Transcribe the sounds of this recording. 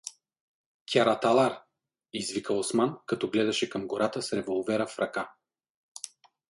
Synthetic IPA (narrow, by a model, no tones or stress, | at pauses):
kʲaɾat̪alˠaɾ | izvikəosmankɐt̪ɔɡlɛd̪ɐʃɛkɐmɡoɾat̪əsɾɛvolˠvɛɾəfɾʔɐka